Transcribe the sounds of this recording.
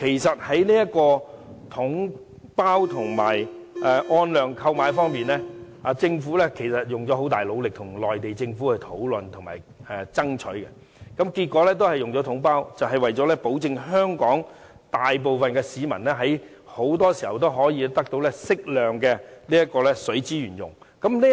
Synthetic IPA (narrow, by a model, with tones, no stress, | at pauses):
kʰe˨˩jsɐ˨t̚hɐ˨˥jniː˥jɐ˥t̚kɔː˧t̪ʰʊ˨˥ŋ | paː˥wt̪ʰʊ˨˩ŋma̰ː˨˩jʔɛ˨˧ʔɔː˧nlœː˨˩ŋkʰɐ˧wmaː˨˥jfɔː˥ŋmiː˨nlɛː˥ | aː˨˧t͡sɪ˧ŋfuː˨˥lɛː˥kʰe˨˩jsɐ˨t̚jʊ˨ŋt͡sɔː˨˥ɦo˨˥wt̪aː˨jlo˨˧wlɪ˨k̚t̪ʰʊ˨˩ŋlɔː˨jt̪e˨jt͡sɪ˧ŋfuː˨˥kɛ˨˧˩t̪ʰo˨˥wlɵ˨nt̪ʰʊ˨˩ŋma̰ː˨˩j | ɛː˨˧t͡sɐ˥ŋt͡ʃʰɵ˨˥ɥkɛ̰˧ | kɐ˨˥mkiː˧t̚kːɔː˨˥lɛː˥t̪o˥whɐ˨jʊ˨ŋt͡sɔː˨˥t̪ʰʊ˨˥ŋpaː˥wt͡sɐ˨wɦɐ˨jwɐ˨jɔː˨˥lɛ˥po˨˥wt͡sɪ˧ŋɦœː˥ŋkɔː˨˥ŋ | t̪aː˨jp̬o˨wfɐ˨nkɛː˧siː˨mɐ̰˨˩nlɛː˥ɦɐ˨˥j | ho˨˥wt̪̬ɔː˥siː˨˩hɐ˨wt̪o˥wɦɔː˨˥jiː˨˧˥t̪ɐ˥k̚t̪o˧˥wlɛː˥sɪ˥k̚lœː˨ŋkɛː˧liː˥jɐ˥t̚kɔː˧lɛ˥sɵ˨˥ɥt͡siː˥jyː˨˩njʊ̰˨˩ŋkɐ˨˥mliː˥